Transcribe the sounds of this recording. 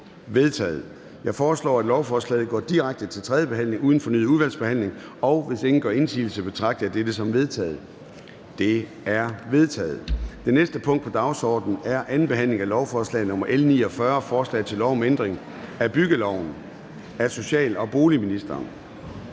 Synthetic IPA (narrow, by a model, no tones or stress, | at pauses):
ʋe̝ðˠt͡sʰɛ̰ːð̩ˠ | jɑ̈ɪfɒːslɒ̰ːæd̥lɒʊfɒːslɛ̰ːð̩ˠɡ̥ɒ̰ːd̥iʁäɡ̥̚d̥ət͡sʰe̝lt͡sʰʁɛðjəb̥e̝ɦæn̰le̝ŋuːð̞ˠn̩fɒ̽ny̰ð̩ˠuðˠʋæl̰sb̥e̝hæn̰le̝ŋ | ɒ̽ʊʋe̝se̝ŋn̩ɡ̥ɶ̰ːe̝nsḭːl̩səb̥e̝t͡sʰʁɑ̈ɡ̥̚d̥əjɑd̥ed̥əsɒ̽mʋe̝ðˠt͡sʰɛ̰ːð̩ˠ | d̥e̝ | æɐʋe̝ð̞ˠt͡sʰɛ̰ːð̞̩ˠd̥e̝nesd̥əpʰɔ̽ŋ̰d̥̚pʰɒ̽d̥ɑ̈ʊsɒ̰ːd̥n̩æɐʔænn̩b̥e̝ɦæn̰le̝ŋælɒʊfɒːslɛ̰ɪnɔ̽m̰ɐʔelnḭːɒ̽fɶɐfɒːslɛ̰ːɪt͡sʰe̝lːɒʊmend̥ʁeŋ | æb̥yɡ̥əlɒʊ̰n̩ | æso̝ɕɛ̰ːlɒ̽b̥o̝ːliminisd̥ɐn